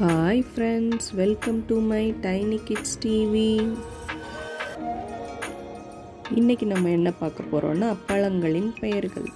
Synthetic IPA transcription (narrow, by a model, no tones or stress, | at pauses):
haːɪfɾɛɳɖsʋɛlkɐmʈumɐɪʈɐɪnɪkːɪʈsʈiːʋi | ɪnːɛkʲːɯnɐmːɐɛnːɐpaːɾkɐpːoːɾõ̰ːnːaːpːɐɭɐŋɡɐɭɪnpɛjɐɾɣɐ̰ɭ